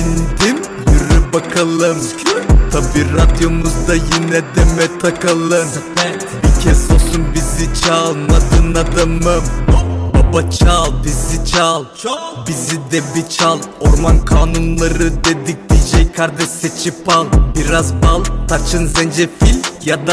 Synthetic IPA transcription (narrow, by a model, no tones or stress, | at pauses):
ind̪im | jyɾɛbakʰalˠɯmt̪ʰabiːɾad̪jo̞muzd̪ajinɛd̪emɛt̪ʰakɯlˠɯn | bicʰɛsosunbizit͡ʃʰalˠnad̪ɯnad̪amɯmbabat͡ʃʰalˠbizit͡ʃʰalˠ | bizid̪ɛbit͡ʃʰalˠo̞ɾmankʰaːnunlˠaɾɯd̪e̞d̪ik̚d̪id͡ʒɛjkʰaɾd̪ɛʃset͡ʃʰipalˠbiɾazbalˠt̪ʰat͡ʃʰɯnzɛnd͡ʒɛfilʲjad̪a